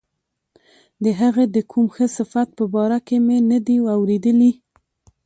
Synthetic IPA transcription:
d̪əɦaɣed̪əkʰumxəsɪfat̪̚pəbɑɾakemenad̪iwawɾed̪əli

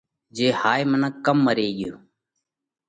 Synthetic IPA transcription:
d͡ʒeːhaːjmənakəmːəɾeːɡɪjoː

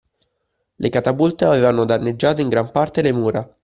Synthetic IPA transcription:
lʔekat̪abult̪eaveːvanod̪anːed͡ʒːaːt̪oiŋɡɾampart̪elemuːɾa

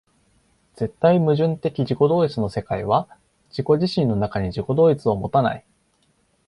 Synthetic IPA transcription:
d͡z̥e̞t̪ːaimɯ̟ʑɨ̃nt̪e̞kʲiʑiko̞d̪o̞ːit͡sɨno̞se̞kaiβ̞a | d͡ʑiko̞ʑiɕĩnːo̞nakaɲ̟iʑiko̞d̪o̞ːit͡sɨo̞mo̞t̪ana̰i

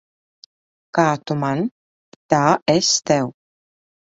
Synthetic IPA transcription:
kaːt̪uman | t̪aːʔɛst̪ɛw

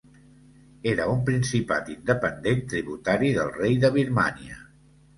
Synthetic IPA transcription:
eɾəumpɾinsipa̰t̪ind̪əpənd̪ent̪ɾiβut̪aɾiðəlˠrejðəβ̞iɾma̰niə̰

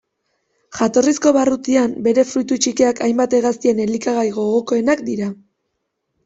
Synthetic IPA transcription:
ʝat̪o̞risko̞βarut̪iambe̞ɾe̞fɾujt̪ut͡ʃike̞akʰajmbat̪eɣast̪ie̞nelikaɣ̞ajɣo̞ɣo̞ko̞e̞nakd̪iɾa

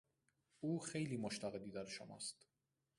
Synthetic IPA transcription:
uːxe̞jliːmoʃt̪ʰæɣe̞d̪iːd̪æɾeʃo̰mæ̰st̪

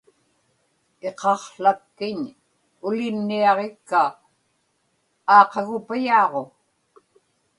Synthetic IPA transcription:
e̞qɑχɬakːɪɲ | ʊlɪmniɑʁekːa | ɑːqɑɣʊpajɑːʁo

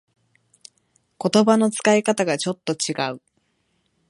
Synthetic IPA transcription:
ko̞t̪o̞bano̞t͡sɨ̥kaikat̪aɡat͡ɕo̞t̪ːo̞t͡ɕiɡaɯ̟

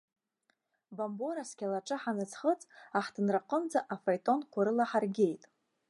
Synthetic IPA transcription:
bamboɾaskʲalaʈ͡ʂʼɨħanɨt͡sʰχət͡sʼaħdɨnraqʼəmd͡zaʔafajtʼo̞nkʷʰaɾɨlaħarɡʲe̞jtʼ

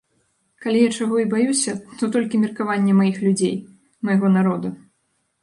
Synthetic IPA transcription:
kalʲijat͡ʂaɣɔibajusʲɐt̪ɔt̪ɔlʲkʲimʲirkavanʲːɛmajixlʲud͡zʲej | mɐjaɣɔnaɾɔd̪u

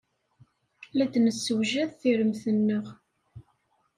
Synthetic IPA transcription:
læd̪nəsːəwʒæðθiɾəmθənːəʁ

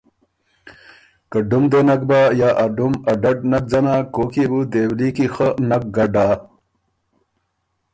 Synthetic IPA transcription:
kɐɖumd̪eːnɐk̚baːjaːʔɐɖumɐɖɐɖnɐk̚d͡zɐnaːkoːkibud̪eːwlikixənɐk̚ɡɐɖaː

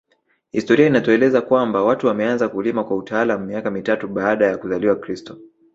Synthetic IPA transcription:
histɔɾiainatɔɛlɛzakwambawatuwamɛanzakulimakwautaalamumiakamitatuɓaːɗajakuzaliwakɾistɔ

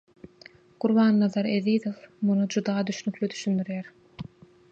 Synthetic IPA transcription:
ɡ̥uɾβɑːnːɑðɑɾeðiːðofmunud͡ʒud̪ɑːd̪yʃnyklyd̪yʃynd̪yɾjæɾ

